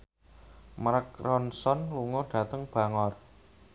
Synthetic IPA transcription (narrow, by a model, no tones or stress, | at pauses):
maɾəkrɔnsɔnluŋʊrɖ̥ä̤t̪əŋb̥ä̤ŋɔr